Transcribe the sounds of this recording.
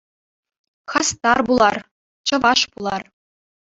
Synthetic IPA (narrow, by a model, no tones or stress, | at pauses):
χɑst̪ɑrbulˠɑr | t͡ɕɤ̆ʋɑʂpulˠɑr